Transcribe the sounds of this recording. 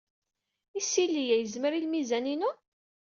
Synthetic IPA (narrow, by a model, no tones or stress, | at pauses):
isilːijæjəzməɾilmizæninu